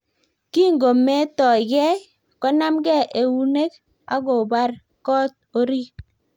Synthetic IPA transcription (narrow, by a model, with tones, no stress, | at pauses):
ki˦ŋɡo˨me˦tɔ˨ɡɛ˦ | kɔ˦na˦mɡɛ˦˨ʔe˨wu˦ne˦k | a̰˦ɡɔ˨ba˦ɾ | kɔ˦t̚o˦ɾi˦